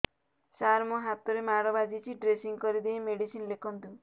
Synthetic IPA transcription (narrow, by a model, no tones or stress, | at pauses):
saɾmɔɦat̪ɔɾemaɽɔbad͡ʒit͡ʃʰiɖɾesiŋkɔɾid̪ejmeɽisinlekʰɔnt̪u